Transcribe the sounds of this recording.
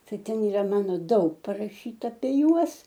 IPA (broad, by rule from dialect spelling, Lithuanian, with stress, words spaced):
ˈtɐɪ ˈtʲɛn iːˈrɐ ˈmɑːnoː ˈdɐʊk pɐrɐˈʃʲiːtɐ ɐpʲiɛ ˈjuɔs